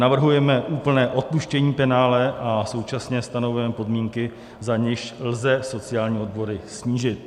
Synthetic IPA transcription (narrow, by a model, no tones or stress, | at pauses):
navr̩ɦujɛmɛʔuːpl̩nɛːʔo̞t̪̚puʃcɛɲiːpɛnaːlɛʔaso̞wt͡ʃasɲɛst̪anovujɛmɛpo̞dmiːŋkɪ | zaɲɪʃlzɛso̞t͡sɪjaːlɲiːo̞d̪̚bo̞ɾɪsɲiːʒɪt̪̚